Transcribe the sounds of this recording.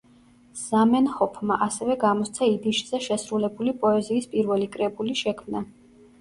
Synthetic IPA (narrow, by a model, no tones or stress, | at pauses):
z̥amɛnhɔpʰmaʔasɛvɛɡamɔst̪sʰaid̪iʃz̥ɛʃɛsɾulɛbulipʼɔɛziːspʼiɾvɛlikʼɾɛbuliʃɛkʰmna